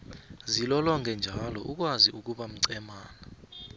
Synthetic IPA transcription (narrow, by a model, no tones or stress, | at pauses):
zilɔlɔŋʱɛnd͡ʒʱalɔʔuk̬waziuk̬uɓam̩ǀɛmaːna